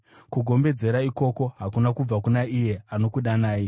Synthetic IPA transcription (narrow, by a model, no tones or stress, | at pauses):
kuɡʱo̞mbe̞d͡ze̞ɾaiko̞ko̞ɦakunakub͡vakunaije̞ano̞kuɗanaːji